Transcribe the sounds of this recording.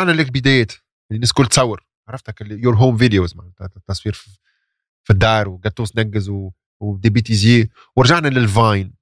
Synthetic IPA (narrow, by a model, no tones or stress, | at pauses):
aʕnælɪkbɪd̪ɛːjt̪ | ʔlinɪːskʊlːt̪sɑwːɪɾ | ʕaʕˤɾˤɑft̪ækljʊɾɦoːmviljozmaʕt̪ːɑsˤwiːɾf | fid̪ːɑːɾˤwɡæt̪ːuːsnæɡːɪzw | d̪ibiːt̪iziː | wɪɾˤʒaʕnælɪlvajn